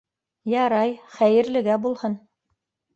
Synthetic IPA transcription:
jɑɾɑjχæjɘ̆ɾlɘ̆ɡæbulˠhɤn

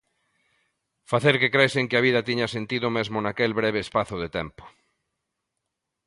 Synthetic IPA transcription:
faθeɾkekɾeseŋkeaβ̞iðat̪iɲasent̪iðomezmonakelβɾeβ̞eːspaθoðet̪empo̥

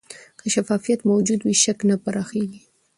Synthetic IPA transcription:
kəʃafɑfijat̪mawd͡ʒud̪wiʃaknapaɾɑxeɡi

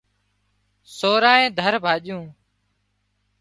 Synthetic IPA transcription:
soːɾaːẽːd̪ʱəɾbʱaːʄjũː

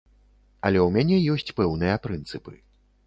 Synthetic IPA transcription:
ɐlʲɛwmʲanʲɛjɔsʲt͡sʲpɛwnɨjɐpɾɨnt̪sɨpɨ̰

